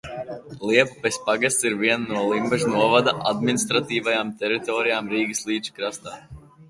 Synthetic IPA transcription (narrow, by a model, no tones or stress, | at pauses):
lˠiɛpupɛspaɡast̪siɾviɛnnuɔlˠimbɛʒunuɔvad̪aʔad̪minist̪ɾat̪iːvajaːmt̪ɛɾit̪ɔːɾijaːmɾiːɡɨslˠiːd̪t͡ʃi̥kɾast̪aː